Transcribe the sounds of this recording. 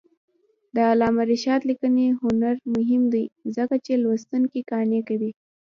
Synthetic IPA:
d̪əːlɑmaɾɪʃɑt̪likəneɦʊnaɾmʊɦɪmd̪ajzəkat͡ʃelwəst̪unkikɑnekawi

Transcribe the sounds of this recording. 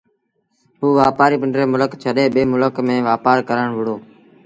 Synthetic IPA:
ɦuːʋaːpaːɾiːpɪɳɖɾeːmʊləkt͡ʃʰəɗeːɓeːmʊləkmẽːʋaːpaːɾkəɾəɳʋʊɽoː

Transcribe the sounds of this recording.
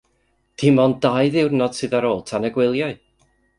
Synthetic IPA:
tʰɪmɔndajðɪwrnɔd̥sɨðaɾoːlˠtʰanəɡwɪlˠjaɨ

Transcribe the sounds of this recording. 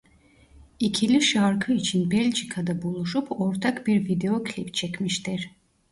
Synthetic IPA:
icʰilʲiʃaɾkʰɯit͡ʃʰinbɛlʲd͡ʒikʰad̪abulˠuʃupʰo̞ɾt̪ʰakbiɾvid̪eokʰlʲipt͡ʃʰɛcmiʃt̪iɾ̥

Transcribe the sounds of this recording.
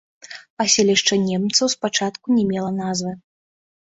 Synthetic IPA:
pasʲelʲiʂt͡ʂɐnʲemt̪sɐwspat͡ʂat̪kunʲɛmʲɛlˠɐnazvɨ

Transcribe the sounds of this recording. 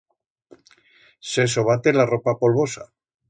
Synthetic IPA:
sesoβ̞at̪elaropapo̞lβ̞osa

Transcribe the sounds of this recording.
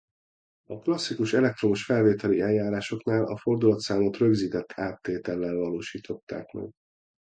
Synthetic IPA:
ɒklɒsːikuʃɛlɛk̚t̪ro̞muʃfɛlveːt̪ɛliɛljːaːɾaːʃo̞knaːlʔɒ̰fo̞rd̪ulɒt̪saːmot̪rø̞ɡziːt̪ɛt̪ʰːaːt̪ːeːt̪ɛlːɛlvɒloːʃiːt̪ʰo̞t̪ːa̰ːkmɛ̰ɡ

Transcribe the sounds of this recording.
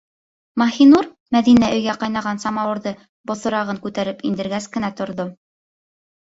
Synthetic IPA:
mɑxinuɾ | mæðinæʔɵ̆jɡæqɑjn̪ɑʁɑnsɑmɑwɤ̆ɾðɤ | bŏθŏɾɑʁɤŋkʉt̪æɾɘpind̪ɘ̆ɾɡæskɘ̆næt̪ŏɾðo

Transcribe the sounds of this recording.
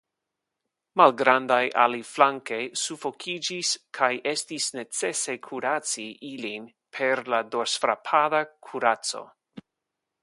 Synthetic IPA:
malɡɾandajʔa̰liflaŋke̞jsufo̞kʰid͡ʒiskʰajʔestisne̞t͡se̞se̞kʰuɾat͡siʔilin | pʰe̞ɾlado̞sfɾa̰pʰadakʰuɾat͡so̞̰

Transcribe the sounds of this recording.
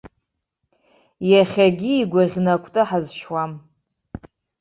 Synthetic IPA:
jaχʲaɡʲiːɡʷaʁʲnakʷʰʼtʼɨħazʃwam

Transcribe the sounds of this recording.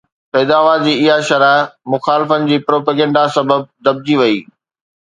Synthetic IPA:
pɛːd̪aːʋad͡ʑiːɪɦaʃɐɾamʊxaːlɪfənɪ̆d͡ʑiːpɾoːpeːɡɛ̃ːɳɖasɐbəb̚d̪ɐb̚d͡ʑiʋɐiː

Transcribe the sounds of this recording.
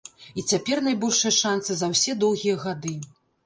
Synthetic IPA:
it͡sʲapʲɛrnajbɔlʲʂɐjɐʂant̪sɨzɐwsʲɛd̪ɔwɣʲijɐɣad̪ɨ

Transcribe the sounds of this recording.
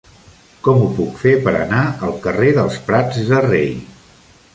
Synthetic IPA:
kɔmupukfepəɾə̰naəlˠkəreðəlˠspɾad͡zðərej

